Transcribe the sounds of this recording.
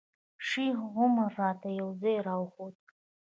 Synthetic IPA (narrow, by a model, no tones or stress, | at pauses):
ʂiʁʷʊmaratʰajawzajɾawχotʼ